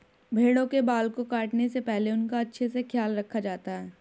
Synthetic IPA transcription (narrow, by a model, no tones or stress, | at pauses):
bʱeːɽõkebaːlkokaːʈnesepɛɦleʊnkaɐtːʃʰesexjaːlɾɐkʰːad͡ʒaːt̪aɦɛː